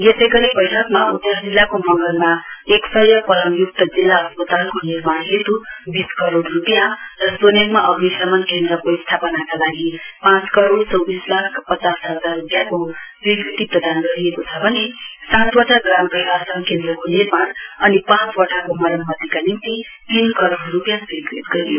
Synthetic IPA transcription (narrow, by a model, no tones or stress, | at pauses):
jesʌjɡʌɾibʌjʈʰʌkmaud̪jʌd͡zilːakomʌŋɡʌlmaeksʌjʌpʌɾʌmjuk̚t̪ʌd͡zilːaʌspʌt̪alkonirmaɽɦet̪ubiskʌɾoɽrupijarʌsoneŋmaʔʌɡnisʌmʌnkend̪rʌkoist̪ʰapʌnakalaɡipãt͡skʌɾoɽt͡sʌwbislakʰpʌt͡sasɦʌd͡zarːupjakosrikrit̪iprʌd̪anɡʌɾijekot͡sʰʌbʱʌnesãt̪wʌʈʰaɡramprʌjkasʌnkend̪rʌkonirmanʌnipãt͡swʌʈʰakomʌɾʌnmʌd̪ʱikanint̪i | t̪inkʌɾoɽrupjãsikrit̪ɡʌɾijo